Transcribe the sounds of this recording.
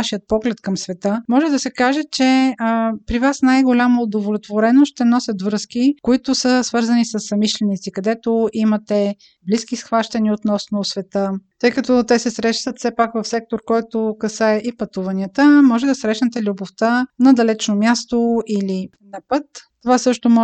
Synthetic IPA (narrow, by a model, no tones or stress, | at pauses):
aʃijət̪̚pɔɡlɛt̪kəmsvɛt̪əmɔʒɛd̪ɐsɛkaʒɛt͡ʃɛəpɾivasnajɡolʲamɐod̪ovolʲot̪voɾɛnoʃt̪ɛnɔsʲət̪vɾɤskikoit̪ʊsəsvɤɾzənisəsːɐmiʃlɛnit̪sikɐd̪ɛt̪oʔimɐt̪ɛ | bliskisxvaʃt̪ɐniot̪nɔsnosvɛt̪ət̪ɤjkɐt̪ɔt̪ɛsɛsɾɛʃt̪ət̪sɛpakvɐfsɛk̚t̪oɾkɔjt̪okɐsaɛʔipɐt̪uvɐniət̪əmɔʒɛd̪ɐsɾɛʃnɛt̪ɛlʲuboft̪ənɐd̪ɐlɛt͡ʃnomʲjast̪oʔili | nɐpɤt̪ːovasɤʃt̪omɔ